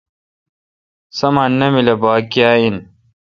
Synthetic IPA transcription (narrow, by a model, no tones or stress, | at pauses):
sɐmaːnːɐmilɐbaːkjaːin